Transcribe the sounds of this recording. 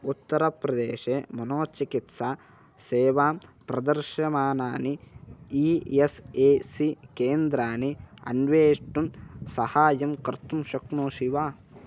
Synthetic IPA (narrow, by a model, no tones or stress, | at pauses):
ut̪ːɐɾɐpɾɐd̪eːʃeːmɐnoːt͡ʃikit̪saː | seːʋaːmpɾɐd̪ɐɾʃɐmaːnaːniieseːsikeːnd̪ɾaːniɐ̰nʋeːʂʈumsɐhaːjɐmkɐɾt̪umʃɐknoːʃiʋaː